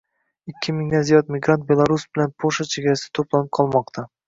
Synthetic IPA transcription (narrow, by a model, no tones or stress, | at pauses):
ɪkʲːɪmɪŋd̪anzijɒt̪̚mɪɡɾant̪̚be̞lˠaɾusbɪlanpʰoʃat͡ʃʰe̞ɡʲaɾasɪt̪ʰoplˠanɪp̚qʰɒlˠmɒqt̪ʰa